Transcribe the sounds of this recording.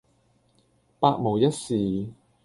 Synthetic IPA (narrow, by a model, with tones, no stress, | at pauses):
paː˧k̚mo˨˩wjɐ˥t̚siː˨